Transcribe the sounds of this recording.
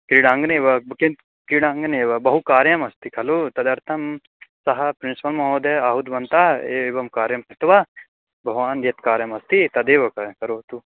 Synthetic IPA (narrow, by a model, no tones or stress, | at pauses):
kɾiɽaːŋɡneːʋɐbkind̪ | kɾiɽaːŋɡɐneːʋɐbɐɦukaːɾjɐmɐst̪ikʰɐlot̪ɐd̪ɐɾt̪ʰɐm | sɐɦɐpɾinsipɐlmɐɦoːd̪eaːɦud̪ʋɐnt̪aːeːeːʋɐmkaːɾjɐmkɐt̪ʋɐ | bʱɐɦʋaːnd̪jɐt̪kaːɾjɐmɐst̪it̪ɐd̪eːʋɐkɐkɐɾoːt̪u